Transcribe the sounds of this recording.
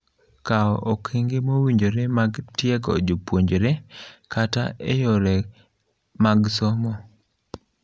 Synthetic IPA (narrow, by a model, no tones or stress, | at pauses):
kaɔʔokʰeŋɡemowiɲd͡ʒoɾemaɡtjɛɡɔ̰d͡ʒopwoɲd͡ʒɾekataejoɾɛ | maɡsɔmɔ